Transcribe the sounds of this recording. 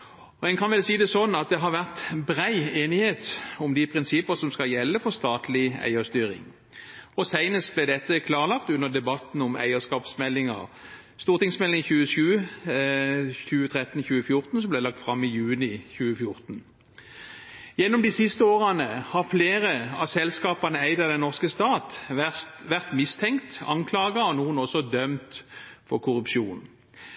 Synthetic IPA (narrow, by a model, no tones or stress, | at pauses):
ɔɛnkʰɑnʋɛlsiːd̪ɛsɔnːɑt̪̚d̪ɛɦɑɾʋæʁt̪bʁæɪeːnɪheːt̪ɔmd̪ɪpʰʁɪnsɪpːəsɔmskɑljɛlːəfɔɾst̪ɑːt̪lɪæ̰ɪəst̪yːɾɪ̰ŋ | ɔsæɪnəst̪̚blɛd̪ɛt̪ːəkʰlɑːʁəlɑkt̪ʉnːəd̪ɛbɑt̪nɔmæ̰ɪəskɑːpsmɛlːɪŋə̰ʁ | st̪uːʁt̪ɪŋsmɛlɪŋçʉːəʃʉːə | çʉːət̪ʰʁɛt̪ːn̩çʉːəfjʊʁt̪n̩sɔmblæɪlɑkt̪fʁɑmːɪjʉːnɪçʉːəfjʊɾt̪n̩ | jɛnːɔmd̪ɪsɪst̪əoːʁənəhɑʁfleːɾəɑ̰sɛlskɑːpənəæɪd̪əd̪ɛnːɔʁskəst̪ɑːt̪ʋæsʋæʁt̪mɪst̪ʰɛŋkt̪ɑ̰ŋkʰlɑːɡɑɔnuːənɔsːɔd̪œmt̪fɔʁkʰʊɾʉpʃuːn